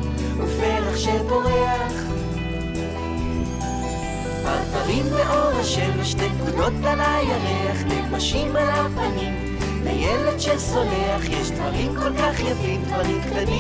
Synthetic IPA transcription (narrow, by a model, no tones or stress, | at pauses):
ufeʁaχʃedo̞ʁeaχ | va̰dvaʁimːeʔo̞daʃeliʃtekudo̞t̪̚balajaʁeaχnekʁaʃimalapanim | lḛjeledʃeso̞neaχjɛʃd̪vaʁimkolkaχjafimd̪vaʁimktani